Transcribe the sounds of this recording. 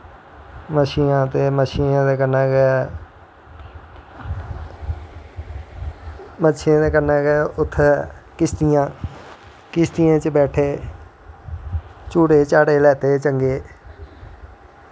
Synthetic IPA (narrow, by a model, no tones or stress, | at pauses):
məʃiːnãːt̪eːməʃiːnãːd̪eːkənaːk | mət͡ʃʰãːd̪eːkənaːkːʊt̪ʰːkɪst̪ijãː | kɪst̪ɪjãːt͡ʃəbɛːʈʰeː | t͡ʃuːɽeːt͡ʃaːɽeːlɛːt̪eːt͡ʃəŋɡeː